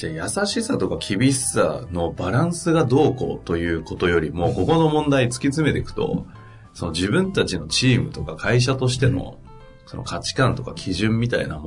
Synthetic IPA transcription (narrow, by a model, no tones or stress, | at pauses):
d͡ʑajasaɕisat̪o̞kakʲʰibʲisa̰no̞baɾãɰ̃sɨɡad̪o̞ːko̞̰t̪o̞jɯ̟ːko̞t̪o̞jo̞ɾʲimo̞ːko̞ko̞no̞mõnd̪ait͡sɨ̥kʲit͡sɨme̞t̪e̞kɯ̟̥t̪o̞̰ | so̞no̞ʑiβɯ̟̃nt̪at͡ɕino̞t͡ɕiːmɯ̟t̪o̞kakʰaiɕ̬at̪o̞ɕ̬i̥t̪e̞no̞̰ | so̞no̰kat͡ɕi̥kãnt̪o̞kakʲʰiʑɨ̃mːʲit̪aḭnamo